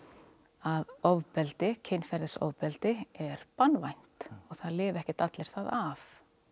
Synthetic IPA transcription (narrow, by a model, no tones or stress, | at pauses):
aðɔvpɛlt̪ɪcʰejnfɛɾðɪsɔ̰wvpɛlt̪ɪɛɾpanvajn̥t̪ɔɣθaðlɪːvɛhcɪ̥t̪at̪lɪɾ̥θaðav